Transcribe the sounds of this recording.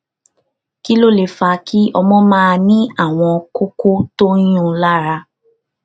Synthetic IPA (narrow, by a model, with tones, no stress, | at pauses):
ki˦lo˦˨le˨fa˧kʰi˦ʔɔ˧mɔ̃˦mãː˦˧nĩ˦a˦˨w̃ɔ̃˧ko˦ko˦tõ˦ũ˦˨˦la˦ɾa˧